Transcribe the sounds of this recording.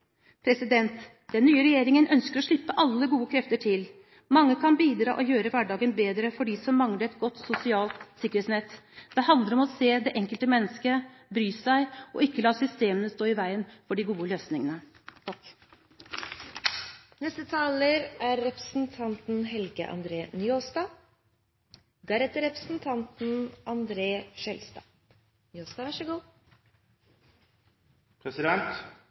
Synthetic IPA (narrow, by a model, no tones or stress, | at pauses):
pʰɾɛsɪd̪ɛnt̪ | d̪̥ɛnːyːəɾɛjeːɾɪŋənʔœnskəɾɔʂɭɪpːəʔɑlːəɡuːəkʰɾɛft̪əʈʰɪl | mɑŋːəkʰɑnbiːd̪ɾɑ̰ːʔɔjøːɾəʋæɖɑːɡənbeːd̪ɾəfɔɖiːsɔmːɑŋləɛt̪ɡɔt̪ːsʊsɪɑːlt̪sɪkːəɾheːt̪snɛt̪ːd̪̥ɛɦɑnd̪əɾɔmɔseːd̪ɛʔɛŋkəlt̪əmɛnːəskə | bɾyːsæɪɔ̰ɪkːəlɑːsʏst̪eːmənəst̪oːɪʋæɪənfɔɖɪɡuːəløːsnɪŋənə | k | nɛst̪ət̪ʰɑːləɾæɾːɛpɾəsn̩t̪ʰɑnt̪n̩ɦɛlɡə̰ʔɑ̰nd̪ɾeːnjoːst̪ɑː | d̪æɾɛt̪əɾɛpɾəsn̩t̪ʰɑnt̪n̩ɑnd̪ɾeːʂɛlst̪ɑ̰ː | noːst̪ɑʋɑʂəɡuː | pʰɾɛsɪd̪ɛnt̪